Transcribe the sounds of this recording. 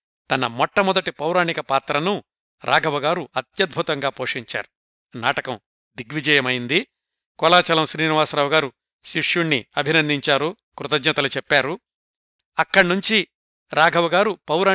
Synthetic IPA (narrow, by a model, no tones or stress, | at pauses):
t̪ɐnɐmɔʈːɐmɔd̪ɐʈipɐwɾaːɳikɐpaːt̪ɾɐnu | ɾʔaːɡʱɐʋɐɡaːɾuɐt̪jɐd̪̚bʱut̪ɐŋɡaːpoːʂiɲt͡ʃa̰ːɾu̥ | na̰ːʈɐkɐm | d̪iɡʋid͡ʒɛjɐmɐjind̪i | kɔlaːt͡ʃɐlɐmsɾiːniʋaːsɾaːwuɡaːɾu | ʃiʂjuɳːḭɐbʱinɐnd̪ʱiɲt͡ʃaːɾuː | kɾut̪ɐd͡ʒnɐt̪ɐlut͡ʃɛpːaːɾu | ɐkːɐɽɐnuɲt͡ʃi | ɾaːɡʱɐʋɐɡaːɾupɐwɾaː